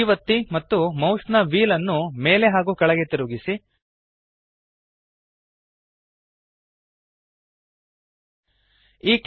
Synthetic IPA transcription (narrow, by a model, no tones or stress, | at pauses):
iʋɐt̪ːimɐt̪ːumɐwʂnɐʋiːlɐnːume̞ːle̞ɦaːɡuːkɐɭɐɡe̞t̪iɾuɡisi | iːk